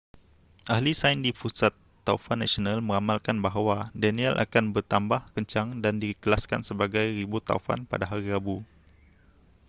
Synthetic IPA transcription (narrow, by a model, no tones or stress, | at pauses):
ʔahlisajndipusat̪ːaufanːasionãlmə̃ŋamalkanbaɦwadɛnĩɛlʔa̰kanbərt̪ambahkəɲt͡ʃaŋdandikəlaskansəbaɡajribut̪a̰ufa̰npa̰daɦaɾiɾabu